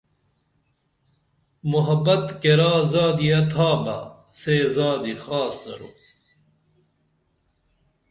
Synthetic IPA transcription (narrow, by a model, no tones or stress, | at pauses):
muɦɐbɐt̪keɾaːzaːd̪iɐt̪ʰaːmɐ̰seːzaːd̪ixaːsnɐ̰ɾo̰